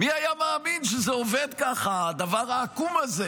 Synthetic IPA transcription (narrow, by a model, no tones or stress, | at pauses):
miajamaːminʃəzeoved̪kaχad̪avaʁaːkumaze